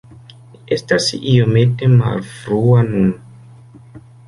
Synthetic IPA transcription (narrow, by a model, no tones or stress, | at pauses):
e̞stasijo̞me̞tema̰lfɾuanun